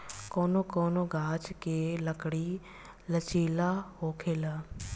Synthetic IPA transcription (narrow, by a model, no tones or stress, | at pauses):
koːnokoːnoɡʱaːt͡ʃkeːləkɽi | lət͡ʃiːlaɦoːkʰeːla